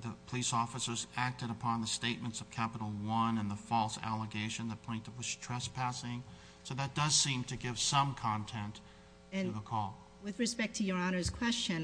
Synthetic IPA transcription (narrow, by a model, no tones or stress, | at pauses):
ðɨpʰəlisɔfəsə˞zæk̚tɨɾəpʰɑ̃nðəsteɪt̚mɨ̃ntsʌv̥kʰæpəɾl̩ˠwʌ̃nɨ̃nðəfɔlˠsæ̰lˠəɡeɪʃɨ̃nðɨt̚pʰẽɪ̃ntɨd̚wʌz̥tʰɹ̥ɛspʰæsɪ̃ŋ | soʊðɨt̚d̥ʌz̥sĩmtʰɨɡɪv̥sʌ̃mkʰɑ̃ntʰɛ̃nt | ɨ̃ðəkʰɔlˠ | wɨðɹɨspɛk̚tʰɨjə˞ɑnə˞z̥kʰw̥ɛst͡ʃɨ̃n